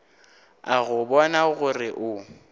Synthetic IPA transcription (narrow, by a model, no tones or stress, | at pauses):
aɣʊbɔnaɣʊrɪʔʊ